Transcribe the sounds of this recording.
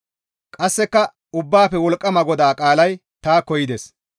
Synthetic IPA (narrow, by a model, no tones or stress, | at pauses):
kʼɐsːɛkːɐ | ʊbːaːfɛwɔlkʼːɐmɐɡɔd̪aːkʼaːlɐj | t̪aːkɔjɪd̪ɛs